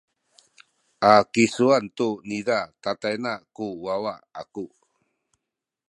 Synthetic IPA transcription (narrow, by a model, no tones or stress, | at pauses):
ʔakisuantunidatatajnakuwawaa̰ku